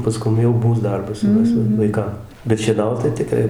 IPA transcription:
pɐˈskʊm jɛʊ ˈmuːs ˈdɐrbɐs jɛʊ ˈmʲɛs ʋɐɪˈkɐm bʲɛt ʃʲiɛˈnɐʊt tɐɪ tʲɪˈkrɐɪ

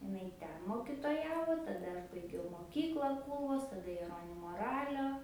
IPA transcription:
ɪˈnɐɪ ˈtʲɛn moːkʲɪtoːˈjæːʋoː tɐˈdɐ ɐʃ bɐɪˈɡʲɛʊ moːˈkʲiːklˠɑː ˈkuːlˠʋoːs tɐˈdɐ jɛˈroːnʲɪmoː ˈrɑːlʲoː

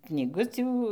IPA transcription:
knʲiːˈɡʊtʲuː

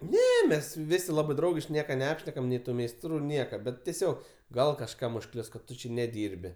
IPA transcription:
ˈnʲɛ ˈmʲɛs ˈʋʲɪsʲɪ ˈlˠɑːbɜ ˈdrɐʊɡʲɪʃʲkʲɪ ˈnʲiɛkɐ nʲɛˈɑːpʲʃʲnʲɛkɐm nʲɛɪ ˈtuː mʲɛɪsˈtruː ˈnʲiɛkɐ ˈbʲɛt tʲɛˈsʲoːk ˈɡɐlˠ kɐʃˈkɐm ʊʃˈklʲʊs kɐt ˈtʊ t͡ʃʲɪ nʲɛˈdʲiːrʲbʲɪ

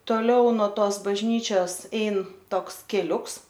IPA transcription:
toːˈlʲɛʊ noː ˈtoːs bɐʒʲˈnʲiːt͡ʃʲoːs ˈɛɪn ˈtoːks kʲɛˈlʲʊks

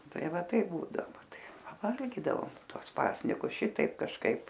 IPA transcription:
ˈtɐɪ ˈʋɐ ˈtɐɪp ˈbuːdɐʋoː ˈʋɐ ˈtɐɪ pɐˈʋɐlʲɡʲiːdɐʋoːm ˈtuɔs ˈpɑːsʲnʲɪkʊs ˈʃʲɪtɐɪp kɐʃˈkɐɪp

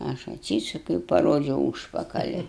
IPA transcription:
ˈɐʃ ɐtʲˈsʲiːsʊkʲɛʊ ɪ pɐˈroːd͡ʒʲɛʊ ˈuːʃpɐkɐlʲɪ

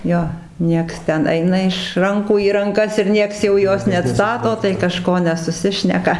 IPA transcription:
ˈjoː ˈnʲiɛks ˈtʲɛn ˈɐɪnɐ ɪʃ ˈrɐŋkuː iː rɐŋˈkɐs ɪr ˈnʲiɛks jɛʊ ˈjoːs nʲɛɐtˈstɑːtoː tɐɪ kɐˈʃkoː nʲɛsʊˈsʲɪʃʲnʲɛkɐ

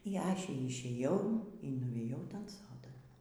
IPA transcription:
iː ˈɑːʃʲɛ ɪʃʲeːˈjɛʊ iː nʊˈʋʲeːjɛʊ ˈtɐn ˈsoːdɐn

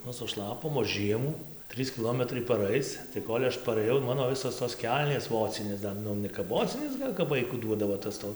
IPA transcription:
ˈnʊ sʊˈʃlˠɑːpoːm oː ˈʒʲiɛmuː ˈtʲrʲiːs kʲɪˈlˠoːmʲɛtrɐɪ pɐˈrɐɪt͡s tɐɪ ˈkoːlʲ ɐʃ pɐrɘˈjɛʊ ˈmɑːnoː ˈʋʲɪsoːs toːs ˈkʲɛlʲnʲeːs ˈʋoːt͡sʲɪnʲeːs ˈdɐr ˈnʊ nʲɛ kɐp ˈʋoːt͡sʲɪnʲeːs ˈɡɐlʲ kɐp ˈʋɐɪkʊ ˈduɔdɐʋoː tɐs ˈtoː

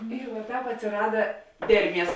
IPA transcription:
ɪr ʋɐ ˈtɑːp ɐtʲsʲɪˈrɑːdɐ ˈdʲɛrʲˌmʲiɛs

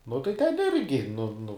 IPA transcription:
nʊ tɐɪ ˈtʲɛn ˈɪrʲɡʲɪ nʊ nʊ

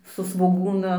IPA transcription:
sʊ sʋoːˈɡuːnɐ

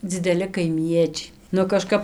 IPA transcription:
d͡zʲɪdʲɛˈlʲɪ kɐɪˈmʲiɛt͡ʃʲɛɪ nʊ kɐˈʃkɐp

